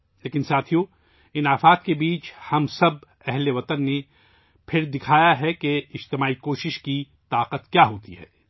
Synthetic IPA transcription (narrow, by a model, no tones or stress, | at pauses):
leːkɪnsaːt̪ʰijõ | ɪnaːfaːt̪kebiːt͡ʃhɐmsɐb | ɛɦleʋɐt̪ənːe | pʰɪɾd̪ɪkʰaːjaɦɛkeɪd͡ʒt̪ɪmaːikoːʃɪʃki | t̪aːqət̪kjaːɦoːt̪ḭɦɛ̰ː